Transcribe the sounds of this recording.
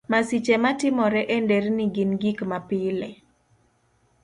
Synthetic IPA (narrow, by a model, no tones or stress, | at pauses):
masit͡ʃematɪmɔɾɛʔenderniɡinɡikmapɪlɛ